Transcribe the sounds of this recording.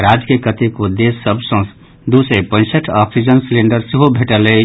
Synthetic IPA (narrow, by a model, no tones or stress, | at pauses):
ɾad͡ʒkekət̪ikod̪esːəbʱsə̃ | d̪usepə̃ɪ̃səʈʰapʰsid͡ʒənsleɳɖəɾseɦobʱeʈəle